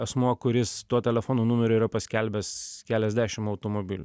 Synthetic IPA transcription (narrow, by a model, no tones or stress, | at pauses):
ɛsmuɔkʊɾʲɪst̪uɔt̪ʲɛlʲɛfoːnoːnʊmʲɛɾʲoːiːɾɐpɐsʲkʲɛlʲbʲɛskʲæːlʲɛzʲd̪ʲæːʃʲɪmɐʊt̪oːmoːbʲɪlʲʊ